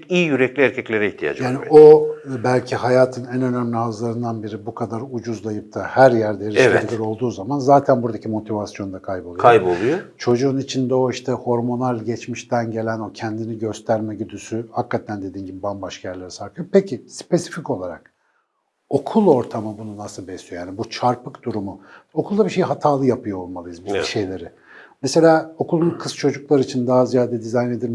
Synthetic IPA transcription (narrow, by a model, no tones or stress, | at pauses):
ijijyɾɛclʲiæɾcʰɛclʲeɾɛiçt̪ʰija̰d͡ʒjaːniobælʲcʰiɦajaːt̪ʰɯnɛnø̞nønlʲihazlˠaɾɯnd̪anbiɾibukʰad̪aɾud͡ʒuzlˠajɯp̚t̪ʰahæɾjæɾd̪ɛɾiʃeiɾo̞lˠd̪uːzamanzaːt̪ʰænbuɾd̪acʰimo̞t̪ʰivasjo̞nd̪akʰajbolˠjajbolˠujot͡ʃʰo̞d͡ʒuːnit͡ʃʰind̪ɛo̞iʃt̪ʰɛho̞ɾmo̞nalʲɟɛt͡ʃmiʃt̪ʰænɟe̞lʲæno̞cʰɛnd̪iniɟø̞st̪ʰæɾmɛɟyd̪ysyhakːat̪ʰænd̪e̞d̪iːnɟibibambaʃkʰajæɾlʲeɾisakʰɯjopecʰispe̞si̥fico̞lˠaɾa̰k̚ | o̞kʰulˠo̞ɾt̪ʰamɯbununasɯbɛslijojaːnibut͡ʃʰaɾpɯkd̪uɾumuo̞kʰulˠd̪abiʃejɦat̪ʰaːlˠɯjapʰɯjoolˠmalˠɯjɯzbiʃe̞jlʲe̞ɾɪ | mese̞lʲaːo̞kʰulˠunkʰɯst͡ʃʰo̞d͡ʒuklˠaɾɯit͡ʃʰind̪aɦazijaːd̪ɛd̪izajne̞d̪iɾ